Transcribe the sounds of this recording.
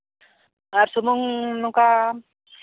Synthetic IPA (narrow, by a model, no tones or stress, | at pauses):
aɾsumuŋnuka